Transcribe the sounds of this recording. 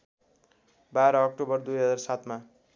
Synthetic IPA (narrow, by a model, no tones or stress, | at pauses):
baɾʌːk̚ʈobʌrd̪ujɦʌd͡zarsat̪ma